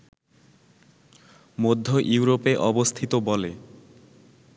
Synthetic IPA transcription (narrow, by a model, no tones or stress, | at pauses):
mod̪ʱːoʔuwɾopeʔɔbost̪ʰit̪obɔle